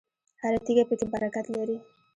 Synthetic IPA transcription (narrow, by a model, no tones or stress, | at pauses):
haɾat̪iɡapəkebaɾakat̪laɾi